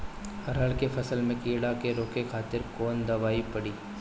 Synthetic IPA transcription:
ɐɾəlkefʰɐsəlmẽkiːɽakeɾoːkekʰaːt̪ɪɾkoːnd̪ɐʋaːipɐɽiː

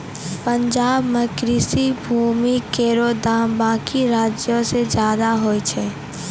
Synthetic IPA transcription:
pə̃ɲd͡ʒaːbməkɾisibʱuːmikeːɾoːd̪aːmbaːkiɾaːd͡ʒjõsed͡ʒjaːd̪aɦoːit͡ʃʰɛː

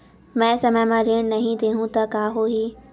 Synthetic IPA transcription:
mɛ̃ːsɐməjmãɾeːɽ̃nɐɦĩd̪eːɦũt̪ɐkaːɦoɦiː

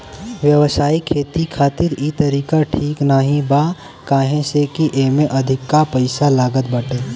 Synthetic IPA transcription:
ʋjɐʋsaːikʰeːt̪ikʰaːt̪ɪɾit̪ɐɾiːkaʈʰiːknaɦĩba | kaːɦẽsekiʔeːmẽʔɐd̪ʱɪkːapɐɪsalaːɡət̪̚bɐʈeː

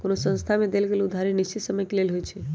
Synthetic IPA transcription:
konosə̃nst̪ʰamẽd̪elkelũd̪ʱaɾeniʃt͡ʃit̪səməjkilelɦojt͡ʃʰe

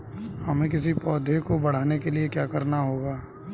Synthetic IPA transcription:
hɐmẽk̬ɪsipɔːd̪ʱekobɐɽ̤aːnekeliekjaːkɐɾnaɦoːɡaː

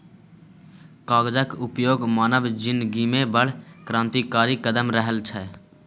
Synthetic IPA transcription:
kaːɡd͡ʒəkʊpjoːɡmaːnəʋd͡ʒɪnɡiːmebəɽ̤kɾãːnt̪ikaːɾikəd̪əmɾəɦəlt͡ʃʰɛ

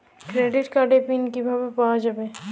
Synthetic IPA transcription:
kɾeːɖɪʈkaɖepinkibʱabepad͡ʒabe

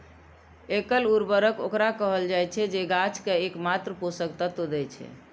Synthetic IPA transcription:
ekəluɾbəɾəko̰kɾakəɦəld͡ʒajt͡ʃʰɛd͡ʒeɡat͡ʃʰkeekmat̪ɾəposəkt̪at̪od̪ɛt͡ʃʰɛ̰

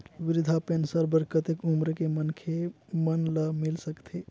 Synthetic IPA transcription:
ʋiɾid̪ʱapensəɾbəɾkət̪ekumɾəkemənkʰemənləmilsəkt̪ʰe

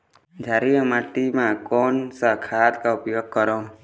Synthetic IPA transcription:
d͡ʒʱaɾijəmaʈimãkɔnsakʰat̪kaupjoɡ̚kɔɾo

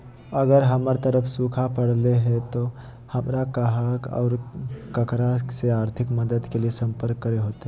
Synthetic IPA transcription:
əɡəɾɦəməɾt̪əɾəfʰsuːkʰapəɽleɦɛ̃t̪o | həmɾakaɦakɔ̰ːɾkəkɾaseaːɾt̪ʰɪkməd̪əd̪keliesə̃mpəɾkːəɾeɦoːt̪e

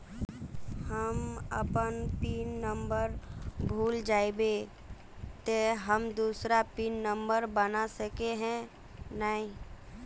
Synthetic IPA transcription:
həmə̰pənpiːnːəmbəɾbʱuːld͡ʒaːebe | t̪eɦəmd̪uːsɾapiːnːə̃mbəɾbənasəkeɦɛ̃ | naːɦĩ

